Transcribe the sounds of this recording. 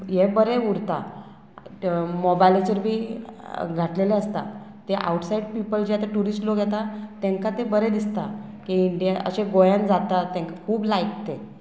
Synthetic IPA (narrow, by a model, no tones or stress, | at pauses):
jebəɾeuɾt̪a̰ | mɔbajlet͡ɕəɾbʱiː | ɡʱaʈleleəst̪a̰ | t̪eʔa̰wʈsaiɖpipəld͡ʑeat̪aʈuɾisʈloɡʱjɛt̪at̪ɛ̃ŋkat̪ebəɾed̪ist̪akiiɳɖijaə̰ɕẽɡojand͡zat̪at̪ẽŋkakʰuːblajk̚t̪e